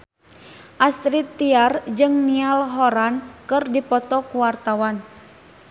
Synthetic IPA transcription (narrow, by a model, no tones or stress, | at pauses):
ʔast̪ɾit̪ːiard͡ʒɨŋnialɦɔɾankɨrdipɔt̪ɔkuwart̪awan